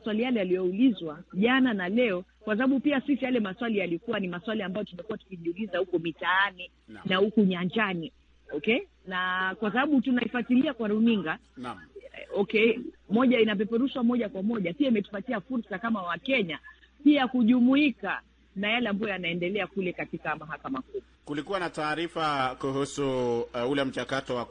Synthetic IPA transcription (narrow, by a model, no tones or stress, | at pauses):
swalijalɛalijɔulizwaʄananalɛɔkwasaɓaɓupiasisijalɛmaswalijalikuwanimaswaliambajɔtumɛkuwatu̥kiʄiulizahukɔmitaani | nahukuɲaɲd͡ʒani | ɔkɛ | nakwas̬aɓaɓutunaifatiliakwaɾuniŋɡa | ɔkɛmɔʄainap̬ɛpɛɾuʃwamɔʄakwamɔʄapiaimɛtu̥patiafuɾsakamawakɛɲa | piakuʄumuika | najalɛambajɔjanaɛndɛlɛakulɛkatikamaɦakamak̚u | kulikuwanataːɾifakuhusuulɛm̩t͡ʃakatɔwa